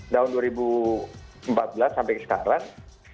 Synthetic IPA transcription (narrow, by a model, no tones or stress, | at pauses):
t̪aɦʊnduaɾibu | mpat̪̚bəlasːampaɛjkəsə̥ka̰ɾaŋ